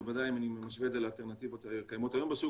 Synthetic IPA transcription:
vad̪ajimaniemaʃvetzelealt̪e̞ʁnat̪ivot̪akajamot̪ajo̞mbesu

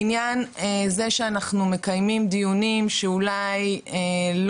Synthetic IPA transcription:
njanezeʃeanaχnume̞kajmimd̪ijunimʃeulajel

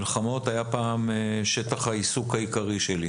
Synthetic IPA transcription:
lχamo̞t̪ajapaːmʃe̞t̪aχhaisukhaikaʁiʃeli

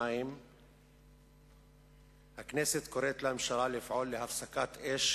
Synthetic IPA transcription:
ajim | hakneset̪koɾet̪lamʃaɾalefʕolːehafsakat̪ʔeʃ

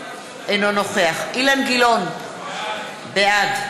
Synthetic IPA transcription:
enonoχeaχilanɡilon | bead

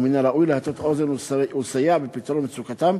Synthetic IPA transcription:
minaɾaʔujlehat̪ot̪ʔozenusajaʕbepit̪ɾonmet͡sukat̪am

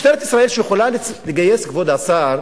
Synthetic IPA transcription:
t̪eet̪isʁae̞lʃejeχolal | leɡajeskvod̪asaʁ

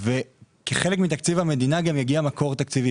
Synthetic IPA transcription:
vekeχele̞kmit̪akt͡sivame̞d̪inaɡamjaɡiamako̞ʁt̪akt͡sivi

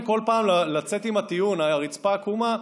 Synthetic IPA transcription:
ko̞lpaːmlalat͡se̞t̪imat̪ijunaʁit͡spakuma

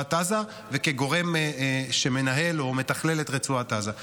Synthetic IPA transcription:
ataza | veke̞ɡo̞ʁe̞mʃe̞me̞naɦe̞lo̞me̞t̪aχle̞letʁet͡suataza

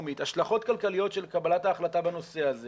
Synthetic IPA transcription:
mit̪haʃlaχo̞tkalkalijo̞tʃelkabalataːχlatabano̞se̞aze

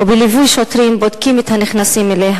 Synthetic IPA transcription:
obelivujʃot̪ɾimbod̪kimet̪haniχnasimeleɦ

